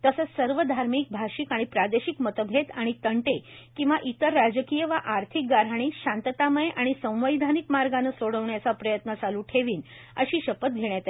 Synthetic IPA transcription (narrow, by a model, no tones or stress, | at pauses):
t̪əsət͡ssəɾʋəd̪ʱaɾmiːk̚bʱaɕikaɽ̃ipɾad̪eɕikmət̪əɡʱet̪aɽ̃it̪əɳʈekĩw̃ʋaʔit̪əɾːad͡ʑəkijəʋaʔaɾt̪ʰik̚ɡaɾaɽ̃iːɕãnt̪ət̪aməjeʔaɽ̃isə̃w̃ʋəjd̪ʱanikmaɾɡanəsoɽəʋɳjat͡sapɾəjət̪nət͡saluːʈʰeʋiːn | ə̰ɕiːɕəpət̪̚ɡʱeɳjat̪